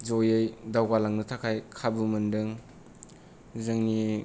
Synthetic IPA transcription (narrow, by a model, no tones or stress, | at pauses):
d͡ʒojɯjdawɡalaŋnɯtʰakʰajkʰabumɯndɯŋ | zɯŋni